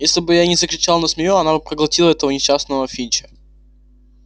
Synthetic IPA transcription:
jesʲlʲɪbɨjanʲɪzəkɾʲɪt͡ɕalˠnəsmʲɪjuɐnabɨpɾəɡlˠɐtʲilˠəɛt̪əvənʲɪɕːasnəvəfʲit͡ɕə̥

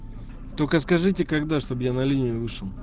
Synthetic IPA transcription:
t̪okəskɐʐɨtʲɪkɐɡd̪aʂt̪objanɐlʲinʲɪjʊvɨʂəlˠ

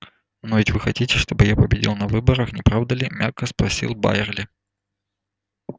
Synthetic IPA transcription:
novʲɪtʲvɨxɐtʲitʲɪʂt̪o̞bɨjapəbʲɪdʲḭlˠnɐvɨbəɾəxnʲɪpɾavd̪əlʲɪmʲʔakəspɾɐsʲḭlˠba̰ɪrlʲɪ

